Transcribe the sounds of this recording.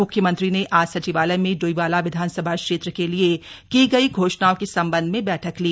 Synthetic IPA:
ʊkʰjəmə̃nt̪ɾineʔaːsɐt͡ʃiʋaːlemẽɖoiʋaːlaʋɪd̪ʱaːnsəbʱakʃeːt̪ɾəkeliekiɡɐiɡʱoːʃɳaːokesɐ̃mbə̃nd̪ʱmẽbɛːʈʰəkliː

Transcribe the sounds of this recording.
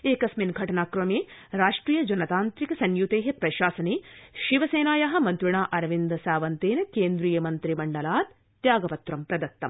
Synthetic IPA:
eːkɐsminɡʱɐʈɐnaːkɾɐmeːɾaːʂʈɾiːjɐd͡ʒɐnɐt̪aːnt̪ɾikɐsɐnjut̪eːɦepɾɐʃaːsɐneːʃiʋɐseːnaːjɐɦɐ̆mɐnt̪ɾuɳaːʔɐɾʋind̪ɐsaːʋɐnt̪eːnɐkeːnd̪ɾiːjɐmɐnt̪ɾimɐɳɖɐlaːd̪ | t̪jaːɡɐpɐt̪ɾɐmpɾɐd̪ɐt̪ːɐm

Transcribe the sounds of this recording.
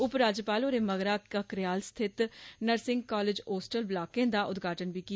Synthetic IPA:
ʊpɾaːd͡ʒəpaːloːɾeːməɡɾaːkəkɾɪjaːlst̪ʰɪt̪nəɾsɪ̃ŋɡ̚kaːled͡ʒoːsʈəlblaːkẽːd̪aːʔʊd̪ɡʱaːʈənbiːki

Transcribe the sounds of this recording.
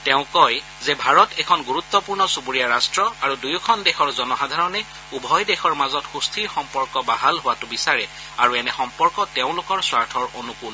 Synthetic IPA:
teʊ̃kɔj | zɛbʱaɹɔtɛkʰɔnɡuɹut̪ːɔpuɹnɔsubuɹijaɹastɹɔaɹudujkʰɔndɛxʰɔɹzɔnɔxadʱaɹɔnɛ | ubʱɔjdɛxʰɔɹmazɔtxustʰiɹxɔmpɔɹkɔbaɦalɦʊwatʊbisaɹɛ | aɹuɛnɛxɔmpɔɹkɔteʊ̃lʊkɔɹswaɹtʰɔɹonukul

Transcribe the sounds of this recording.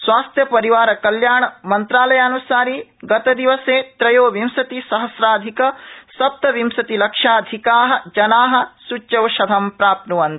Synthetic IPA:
sʋaːst̪ʰjɐpɐɾiʋaːɾɐkɐljaːɳɐmɐnt̪ɾaːlɐjaːnusaːɾiːɡɐt̪ɐd̪iʋɐseːt̪ɾɐjoːʋimsɐt̪isɐɦɐsɾaːd̪ʱikɐsɐp̚t̪ɐʋimsɐt̪ilɐkʂaːd̪ʱikaːɦɐ̆d͡ʒɐnaːɦɐ̆sut͡ʃːt͡ʃɐʋʃɐd̪ʱɐmpɾaːp̪̚nuʋɐnt̪i̥

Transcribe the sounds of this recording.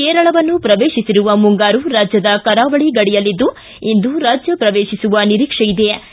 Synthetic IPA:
keːɾɐɭɐʋɐnːupɾɐʋeːʃisiɾuʋɐmuŋɡaːɾuɾaːd͡ʒjɐd̪ɐkɐɾaːʋɐɭiɡɐɽijɐlːid̪ːu | ind̪uɾaːd͡ʒjɐpɾɐʋeːʃisuʋɐniɾiːkʂɐjid̪e

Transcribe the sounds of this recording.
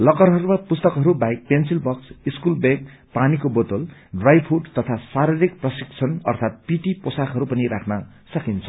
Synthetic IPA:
lʌkʌrɦʌɾumapust̪ʌkɦʌɾubajk̚pensilbʌksiskulbek | panikobʌt̪olɖrajpʰuɖt̪ʌt̪ʰasaɾiɾik̚prʌsik̚t͡sʰʌnʌ̰rt̪ʰat̪̚piʈiposakɦʌɾupʌniɾakʰnʌ | sʌkint͡sʰʌ

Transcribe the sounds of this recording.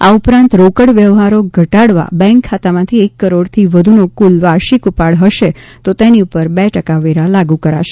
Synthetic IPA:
a̰upɾãnt̪ɾokəɽʋjɛʋɦaɾoɡʱəʈaɽʋa̰bɛ̃ŋkʰːat̪amãt̪ʰiekːəɾoɽt̪ʰiʋəd̪ʱunokulʋaɾʃikupaɽɦəʃet̪ot̪eniupəɾbɛʈəkaʋiɾalaɡũkəɾa̰ʃe̥

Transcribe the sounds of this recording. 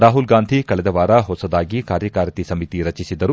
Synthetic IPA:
ɾaːɦulɡaːnd̪ʱikɐɭɛd̪ɐʋaːɾɐɦɔsɐd̪aːɡikaːɾjɐkaːɾɐt̪isɐmit̪iɾɐt͡ʃisid̪ɐɾu

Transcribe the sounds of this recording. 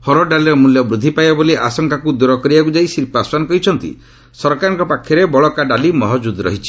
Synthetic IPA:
hɔɾɔɖaliɾɔmuljɔbɾud̪ʱːipajbaboliʔasɔŋkʰakud̪uɾɔkɔɾibakud͡ʒaisiɾpaswanɔkɔɦit͡ʃʰɔnt̪ḭ | sɔɾkaɾɔŋkɔpakʰjɔɾebɔɭɔkaɖalimɔɦɔd͡ʒud̪ɾɔ̰ɦit͡ʃʰi̥

